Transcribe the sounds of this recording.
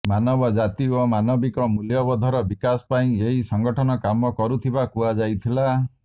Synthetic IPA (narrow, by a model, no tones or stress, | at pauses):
manɔbɔd͡ʒat̪iomanɔbikɔmuljɔbɔd̪ʱɔɾɔbikasɔ̥paĩeɦisɔŋɡɔʈʰɔnɔkamɔkɔɾut̪ʰibakuad͡ʒajt̪ʰila